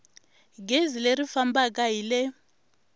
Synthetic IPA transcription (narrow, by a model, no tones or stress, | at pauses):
ɡezileɾifambakaɦilɛ